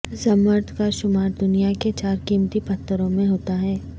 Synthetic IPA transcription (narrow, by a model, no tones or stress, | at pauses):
sɐməɾt̪ʰkaʃʊmaːɾd̪ʊnijaket͡ʃaːɾkiːmt̪ipɐt̪ʰːəɾõmẽɦoːt̪aɦɛː